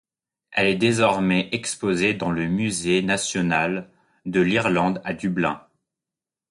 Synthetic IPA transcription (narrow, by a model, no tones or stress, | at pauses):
ɛlɛd̪ezɔʁmɛʔɛkspozed̪ɑ̃ləmyzenasjɔnal | d̪əliʁlɑ̃d̪ad̪yblɛ̃